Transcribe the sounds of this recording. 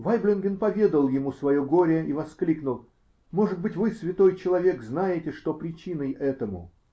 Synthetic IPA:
vajblʲɪnɡʲɪnpɐvʲe̞d̪əlˠjɪmusvɐjoɡo̞ɾʲəivɐsklʲiknʊlˠ | mo̞ʐɨd̪̚bɨtʲvɨsvʲɪt̪o̞jt͡ɕɪlˠɐvʲe̞kznajɪtʲɪʂt̪o̞pɾʲɪt͡ɕinəjʔɛt̪əmʊ̰

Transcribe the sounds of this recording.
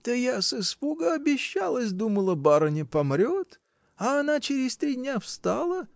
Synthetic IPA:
t̪əjasɨspuɡəɐbʲɪɕːalˠəsʲd̪uməlˠəbaɾənʲɪpɐmɾʲot̪ | ɐːnat͡ɕɪɾʲɪst̪ɾʲidʲnʲafst̪alˠə

